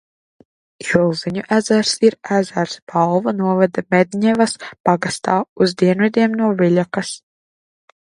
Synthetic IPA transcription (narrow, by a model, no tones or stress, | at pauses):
jilˠziɲuʔæzæɾsiɾæzæɾsbalˠvanuɔvad̪mɛd̪ʲɲɛvaspaɡast̪aːuzd̪iɛnvɛd̪ʲiɛmnuɔvilʲakas